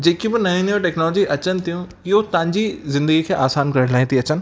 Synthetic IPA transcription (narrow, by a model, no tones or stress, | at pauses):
d͡ʑeːkibɪnɐĩnjõʈɛːknɔːloːd͡ʑiʔɐt͡ɕənɪ̆t̪ʰijũ | ɪɦot̪ɐʋãɲd͡ʑizɪ̃nd̪əɡikʰeːʔaːsaːnkɐɾə̃ɽlaːɦɪ̃t̪ʰiɐt͡ɕənɪ̆